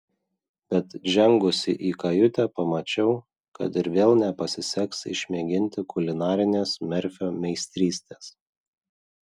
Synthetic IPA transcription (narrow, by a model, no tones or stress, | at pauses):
b̥ʲɛt̪ʒʲɛŋɡʊsʲɪ̰ʔiːkɐjʊt̪ʲɛpɐmɐt͡ʃʲɛʊ | kɐ̰t̪ɪɾʋʲeːlˠnʲɛpɐsʲɪsʲɛksɪ̰ʃʲmʲeːɡʲɪnʲt̪ʲɪkʊlʲɪnɑːɾʲɪnʲeːsmʲɛɾʲfʲoːmʲɛɪsʲt̪ʲɾʲiːsʲt̪ʲeːs